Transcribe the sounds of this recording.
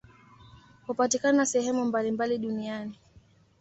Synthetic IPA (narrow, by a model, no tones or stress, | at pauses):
hupatikananasɛhɛmumbalimbaliɗuniani